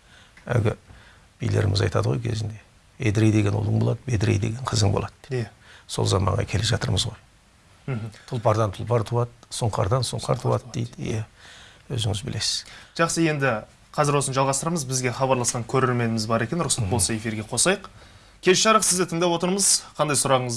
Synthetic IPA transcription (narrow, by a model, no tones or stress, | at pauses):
æ̰ɡʲɪ | b̥ijleɾɪmɪzɑjt̪ɑd̪əʁojkʲʰe̞zɪnd̪e̞ | ḛd̪ɾejd̪e̞ɡʲe̞nulˠəɴbo̞lˠɑd̪əbed̪ɾejd̪e̞ɡʲe̞ɴqʰəzəŋbo̞̰lˠɑd̪so̞̰lˠzɑmɑ̰ɴʁɑ̰kʲʰe̞le̞ʒɑt̪əɾməzʁoj | m̩t̪ʰʊlˠpɑɾd̪ɑnt̪ʰʊlˠpɑɾt̪ʰuɑt̪̚sʊɴqɑ̰ɾd̪ɑnsʊɴqʰɑɾt̪ʰuwɑt̪̚d̪ejd̪jæwɵ̰zɪŋɪzbɪle̞sɪ̥z̥ʒ̥ɑqsəje̞nd̪ɪ | qʰɑzɪɾwo̞sənʒɑlˠʁɑst̪əɾməzbɪzɡʲe̞χɑbɑɾlˠɑsqɑŋkʲʰɵɾe̞ɾme̞nɪmɪzbɑɾe̞kʲe̞nɾʊsɑt̪̚bo̞lˠsɑe̞fiɾɡʲe̞qʰo̞sɑjəq | kʲʰe̞lʃɑɾəqsɪzd̪ɪt̪ʰəŋd̪ɑpwo̞t̪əɾməzqʰɑnd̪ɑjsʊɾɑʁəɴəz